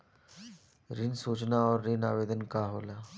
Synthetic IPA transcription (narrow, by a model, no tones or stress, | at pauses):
ɾɪnsuːt͡ʃnaɔːɾːina̰ːʋeːd̪ənkaɦoːlaː